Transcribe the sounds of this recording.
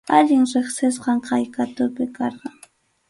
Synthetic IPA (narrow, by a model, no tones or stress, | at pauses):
aʎɪŋɾeχsɪsqɑɴqɑjkat̪ʊpɪkɑɾqɑŋ